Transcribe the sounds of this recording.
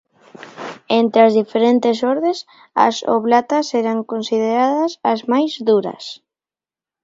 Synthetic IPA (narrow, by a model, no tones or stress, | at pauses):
ent̪ɾeazðifeɾent̪esoɾðes | ɐ̰so̰βlat̪asɛɾaŋkonsiðeɾaðɐsɐzmajzðuɾɐ̰s